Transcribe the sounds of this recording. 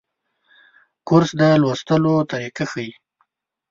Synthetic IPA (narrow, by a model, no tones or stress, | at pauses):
kʊɾsd̪əlwast̪əlot̪aɾikaxəi